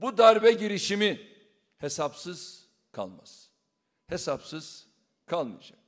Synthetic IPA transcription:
bud̪aɾbɛɟiɾiʃimi | hesapsɯz̥ | kʰa̰lˠma̰z̥ | hesapsɯz̥ | kʰalˠmɯ̰jad͡ʒak

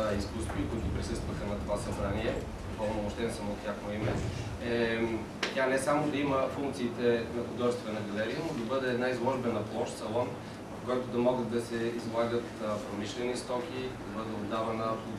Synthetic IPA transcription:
iskust̪voikʊit̪ʊpɾisɤst̪vəxɐnɐt̪ovasɐbɾaniɛ | d̪okɔvnomoʃt̪ɛnsɐmot̪ʲaxnoimɛ | ɛ | t̪ʲjanɛsamod̪ɐiməfuŋk̚t̪siːt̪ɛnɐxʊd̪ɔʒɛst̪vɛnɐɡɐlɛɾiənod̪ɐbɤd̪ɛːd̪naizlˠɔʒbɛnɐplˠɔʃt̪sɐlˠɔn | vɐfkɔjt̪ʊd̪ɐmɔɡət̪̚d̪ɐsɛizvlˠaɡət̪pɾomiʃlɛnist̪ɔkid̪ɐbɤd̪ɛod̪ːavɐnəpo

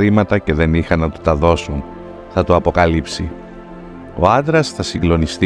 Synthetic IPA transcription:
ɾimɐt̪ɐce̞ðe̞nixɐnɐt̪u̥t̪ɐðo̞sun | θɐt̪uɐpo̞kɐlipsi | o̞̰ɐnd̪ɾɐsθɐsiŋɡlo̞nist̪i

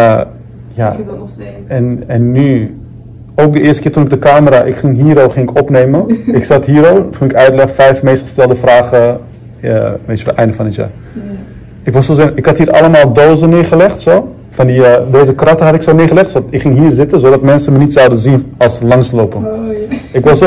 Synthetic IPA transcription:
ja̰ | ɛnɛnːy | owk̚dəɪːstə̥kɪːtunɪk̚dəkaːməɾaʔɪkχɪŋɦiːɾoːχɪŋɪkɔpnejmənɪksɑtɦiːɾotʰunɪkœɥtlɛχfɛjfmejstχəstɛlˠdəfraːχə̰ | ʋetəʋ̰ɛ̰jndəfɑnətja̰ː | ɪkʋɔsozeɪkhɑtɦiːɾʔɑ̰ləmaːlˠdoːzənɪːɹχəlɛχtsoː | fɑndideːzəkrɑtəɦɑtɪksoːnɪːχəlɛχtsoɪkχɪŋɦiːrzɪtənzodɑtmɛnsəmənitsawdənzinɑlˠsəlɑŋslowpən | ɪkʋɑs

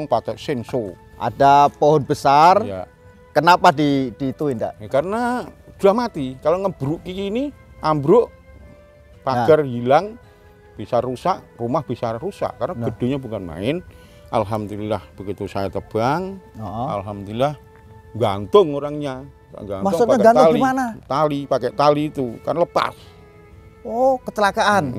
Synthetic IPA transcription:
ŋpat̪əʔsɛnsoa̰dapoɦɔnbəsarja | kənapadid̥iːt̪uinda̰ʔkaɾənad̪̥uahmat̪ikaloŋəb̥əɾuʔkikini | ʔambɾʊʔ | paɡərɦilaŋ | b̥isarːusaʔrumahb̥isarusa̰ʔkarnaɡ̥əd̥o̤ɲabukanma̰ɪn | ʔa̰lɦamd̪ulilahb̥əkit̪usajat̪əb̥aŋɔa̰lɦamd̪ulilah | ŋɡant̪ʊŋoɾaŋɲa | a̰ŋɡanmak̪ʊŋst̪paɲaɡalɡiimanat̪alipakɛʔt̪aliːt̪ukarnləpa̰s | okət̪əlakaʔan

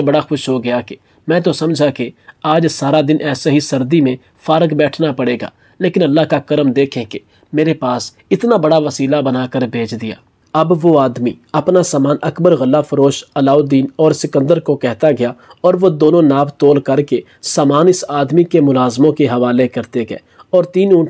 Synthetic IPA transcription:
bɐɽaxʊʃɦoɡɐjake | mɛ̃ːt̪̬osɐmd͡ʒʱakeaːd͡ʒsaːɾad̪ɪnʔɛːsaɦisɐɾd̪imẽ | faːɾəkbɛːʈʰnapɐɽeːɡa̰ː | leːkɪnɐlːaːɦkakɐɾəmd̪eːkʰẽke | meːɾepaːs | ɪt̪nabɐɽaʋɐsiːlabɐnaːkəɾbʱeːt͡ʃʰd̪ɪja̰ː | ɐbʋoaːd̪mi | ɐpnasaːmaːnʔɐkbəɾɣɐlːafɐɾoːʃɐlaːod̪iːnɔːɾsɪkə̃nd̪əɾkokɛɦt̪aɡɐjaɔːɾʋod̪oːnõnaːbt̪oːlkɐɾke | saːmaːnɪsaːd̪mikemʊlaːzmõkeɦɐʋaːlekɐɾt̪eɡɛ̰ːɔːɾt̪iːnũːʈ

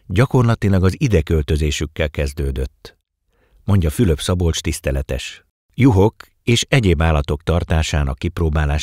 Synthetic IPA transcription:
ɟɒko̞rlɒt̪ilɒɡɒzid̪ɛkø̞lt̪ø̞zeːʃykːɛlkɛzd̪øːd̪øt̪ː | mo̞ɲɟɒfyløpsɒbo̞lt͡ʃt̪ist̪ɛlɛt̪ɛ̰ʃ | juɦo̞k | eːʃɛɟeːbaːlːɒt̪o̞kt̪ɒrt̪aːʃaːnɒ̰kːiproːbaːlaːʃ

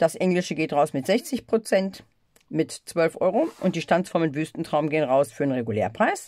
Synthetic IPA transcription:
d̥asʔɛŋlɪʃəɡeːtʁaʊsmɪtz̥ɛçt͡sɪçpʁ̥ot͡sɛnt | mɪtt͡sv̥œlfʔɔ̰ʏʁoʔʊnt̚d̥iːʃtant͡sfɔɐmɪntv̥yːstn̩tʁ̥aʊmɡeːənʁaʊsfyːɐenʁeɡuleːɐpʁ̥aɪs

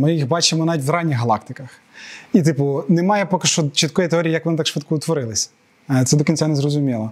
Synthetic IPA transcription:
mɪjixbɑt͡ʃɪmɔnɑʋʲitʲʋɾɑnʲːiɣɦɐlˠɑkt̪ɪkɐx | it̪ɪpʊnemɑjɛpɔkɪʃt͡ʃɔt͡ʃit̪kɔjit̪eɔɾʲijijɐkʋɔnɪt̪ɑkʃʋɪt̪kʊʊt̪ʋɔɾɪlˠɪsʲɐ | t̪ɛd̪ɔkʲinʲsʲanɛzrɔzʊmʲilˠɐ

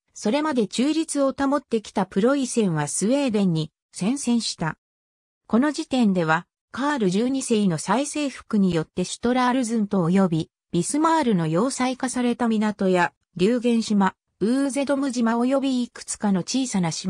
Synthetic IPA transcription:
so̞ɾe̞mad̪e̞t͡ɕɨːɾʲit͡sɨo̞t̪amo̞t̪ːe̞kʲi̥t̪apɯ̟ɾo̞isẽ̞ɰ̃β̞asɨe̞ːd̪ẽ̞ɲ̟ːi | sẽ̞ɰ̃sẽ̞ɰ̃ɕi̥t̪a | ko̞no̞d͡ʑit̪ẽ̞nd̪e̞β̞a | kaːɾɯ̟ʑɨːɲ̟ise̞ino̞saise̞ːɸɯ̟̥kɯ̟ɲ̟ijo̞t̪ːe̞ɕi̥t̪o̞ɾaːɾɯ̟zɨ̃nt̪o̞ːjo̞bʲi | b̥ʲisɨmaːɾɯ̟no̞jo̞ːsaikasaɾe̞t̪amʲinat̪o̞ja | ɾʲɨːɡẽ̞ɰ̃ɕima | ɯ̟ːze̞d̪o̞mɯ̟ʑimao̞jo̞bʲiːkɯ̟̥t͡sɨ̥kano̞t͡ɕiːsanaɕi

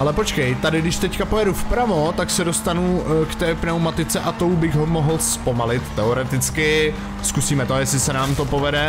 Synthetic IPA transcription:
ʔalɛpo̞t͡ʃkɛjt̪adɪɡdɪʃt̪ɛckapo̞jɛdufpɾavo̞t̪aksɛdo̞st̪anukt̪ɛːpnɛwmat̪ɪt͡sɛʔat̪o̞wbɪɣɦomo̞ɦl̩spo̞malɪt̪ːɛoɾɛt̪ɪt͡skɪ | skusiːmɛt̪ojɛsɪsɛnaːmt̪o̞po̞vɛdɛ

